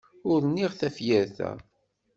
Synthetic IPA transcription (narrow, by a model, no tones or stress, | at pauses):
ʊɾnːiʁθæfjæɾθæ̰